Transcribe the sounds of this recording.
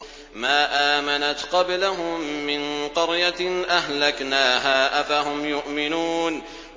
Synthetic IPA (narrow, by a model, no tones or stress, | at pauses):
maːʔaːmanat̪qɑblaɦʊmːɪnqɑɾjanʔahlaknaːɦaːʔafaɦʊmjʊʔmɪnuːn